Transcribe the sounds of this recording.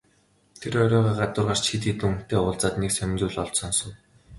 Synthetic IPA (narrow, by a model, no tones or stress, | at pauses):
t̪ʰeɾɔɾʲɔːʁaːɢat̪ʊːrʁar̥t͡ɕxit̪it̪ŭŋʰt̪eːʊːɮt͡saːt̪neksœn̆ʲnt͡suːɮɔɮt͡ɕsɔnsɞ̆w